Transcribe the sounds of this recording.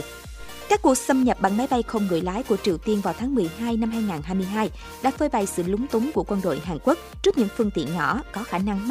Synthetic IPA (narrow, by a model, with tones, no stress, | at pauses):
kaː˦˥kːu˨˩ək̚sə˧mɲə˨˩p̚ɓa̰˧˨ŋma˨˦jɓa˧jxə˧wŋ͡mŋɨ̰˧˨əjlaː˨˦jku˧˩ət͡ɕi˨˩əwt̪i˧ənvaː˨˩wt̪ʰaː˨˦ŋmɨ˨˩əjɦaː˧jna˧mɦaː˧jŋaː˨˩nɦaː˧jmɨ˧əjɦaː˧j | ɗa̰ː˧˥fəː˧jɓa˨˩jsɨ̰˧˨lʊ˨˦ŋ͡mt̪ʊ˨˦ŋ͡mku˧˩əkwə˧nɗo̰˧˨jɦaː˨˩ŋkwu˦˥k̚t͡ɕɨ˦˥k̚ɲɨ̰˧˥ŋfɨ˧əŋt̪ḭ˧˨nɲɔ̰˧˩kɔ˨˦xaː˧˩na˧ŋm˥